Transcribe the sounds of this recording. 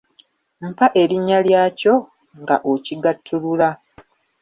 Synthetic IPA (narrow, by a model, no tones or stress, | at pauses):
m̩paʔe̞ɾiɲːaljaːco̞ | ŋɡa̰ʔociɡatʰːulula